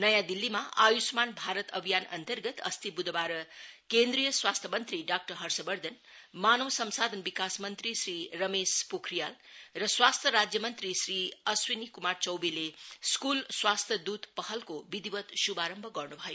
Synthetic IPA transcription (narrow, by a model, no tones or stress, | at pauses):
nʌjãd̪ilːimaʔajusmanbʱaɾʌt̪ʌ̰bʱijanʌ̰nt̪ʌrɡʌt̪ʌ̰st̪ibud̪ʱbaɾʌkend̪ɾijʌswast̪ʰʌmʌnt̪ɾiɖak̚ʈʌrɦʌrsʌbʌɾd̪ʱʌn | manowsʌmsad̪ʱənbikasmʌnt̪risɾirʌmespokʰrijalrʌswast̪ʰjʌɾad͡zjʌmʌnt̪ɾisriʌswinikumart͡sʌwbileskulswast̪ʰjʌd̪ud̪pʌɦʌlkobid̪ibʌt̪subaɾʌmbʱʌɡʌrnubʱʌjo